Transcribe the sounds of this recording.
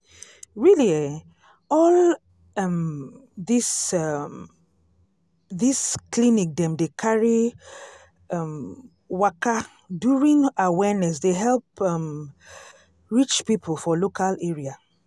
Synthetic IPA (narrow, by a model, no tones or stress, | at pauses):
ɹiliɛ | ɔl | m | ðis | ðisklinik̚dɛ̃mdekʰaɹi | m | waka | duɹĩŋawɛnɛsdeɦɛlˠpm | ɹit͡ʃpipʰl̩fɔlokʰalɛɹia